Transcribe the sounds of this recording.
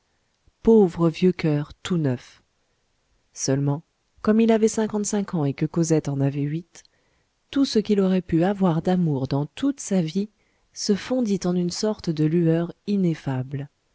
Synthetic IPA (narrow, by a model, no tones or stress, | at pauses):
povʁəvjøkœʁt̪ʰunœf | sœlmɑ̃ | kɔmilavɛsɛ̃kɑ̃t̪sɛ̃kʰɑ̃ekəkozɛt̪ɑ̃navɛɥit̪ː | usəkʲilɔʁɛpyavwaʁd̪amuʁd̪ɑ̃t̪ut̪savi | səfɔ̃d̪it̪ɑ̃nynsɔʁt̪d̪əlyœʁinefabl